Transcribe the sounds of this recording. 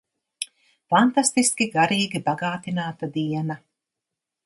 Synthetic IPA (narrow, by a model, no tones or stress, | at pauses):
fant̪ast̪iskʲiɡaɾiːɡʲibaɡaːt̪inaːt̪ad̪iɛna